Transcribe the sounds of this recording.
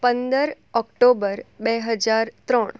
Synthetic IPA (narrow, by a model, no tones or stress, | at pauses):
pənd̪əɾ | ɔkʈobəɾbeɦəd͡ʒaɾt̪ɾə̃ɳ